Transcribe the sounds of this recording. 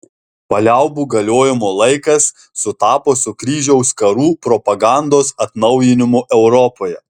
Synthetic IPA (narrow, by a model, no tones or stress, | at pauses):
pɐlʲɛʊbuːɡɐlʲoːjɪmoːlˠɐɪkɐsː | ʊt̪ɑːpoːsʊkɾʲiːʒʲɛʊskɐɾuːpɾɔpɐɡɑˑnd̪oːsɐt̪nɐʊjɪnʲɪmʊʔɛʊɾɔpoːjɛ